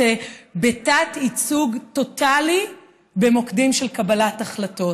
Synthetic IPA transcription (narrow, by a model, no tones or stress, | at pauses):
ebetatit͡suɡto̞tali | be̞mo̞kdimʃelkabɐlataχlato̞